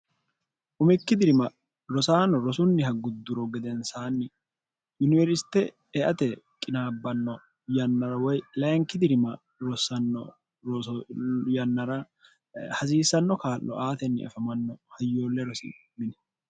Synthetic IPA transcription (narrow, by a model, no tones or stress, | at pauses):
ʔʊmɪkːɪd̪ɪɾɪmɐ | ɾɔsaːnɔɾɔsʊnːɪhɐɡʊd̪ːʊɾɔɡɛd̪ɛnsaːnːɪ | jʊnɪvɛɾsɪ̥t̪ɛ | ɛʔɐt̪ɛ | kʼɪnaːbːɐnːɔ | jɐnːɐɾɐwɔjlɐjŋkːɪd̪ɪɾɪmɐ | ɾɔsɐnːɔ̰ | ɾɔ | jɐnːɐɾɐ | hɐsiːsːɐnːɔkaːlʔɔ̰ʔaːt̪ɛnːɪ̰ɐ̰fɐmɐnːɔhɐjːo̞ːlːɛɾɔsɪ̰mɪnɛ̥